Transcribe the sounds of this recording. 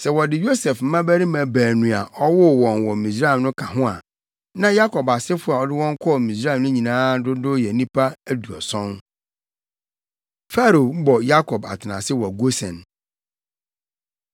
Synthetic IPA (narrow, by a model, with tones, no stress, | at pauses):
sɛ˨wɔ˨dɪ˨jo˦sɛ˨fm̩˦mã˦bæ˦ɾi˦mæ̃˨bæː˨nũ˨a˨ʔɔ˦wʊ˦˨wɔ̃˨nwɔ˨mĩ˨sɾa˦˨mnʊ̃˦kʰa˨ɦʊ̃˦a̰˨ | nã˦ja˦kʰɔ˨ba˨sɪ˦fʊ˦a˨ɔ˨dɪ˦wɔ̃˦ŋ˦kʰɔ˦ɔ˨mĩ˨s̬ɾa˦˨nʊ̃˦ɲĩ˨nãː˦dʊ˦dʊ˦jɛ˨nĩ˦pʰa˦æ˦du˨ɔ̰˨sɔ̃˦n | fa˦ɾo˨m̩˦bɔ˨ja˦kʰɔ˨ba̰˨tʰɪ˨nã̰˨sɪ˦wɔ˨ɡo˦sɛ̃˨n